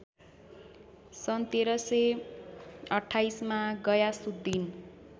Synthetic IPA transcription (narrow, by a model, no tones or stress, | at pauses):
sʌnt̪eɾʌse | ʌʈʰːajsmaɡʌjasud̪ːin